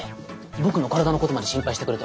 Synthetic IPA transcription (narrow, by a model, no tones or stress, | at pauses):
bo̞kɯ̟no̞kaɾad̪anoko̞t̪o̞mad̪e̞ɕĩmpait̪ekɯɾet̪e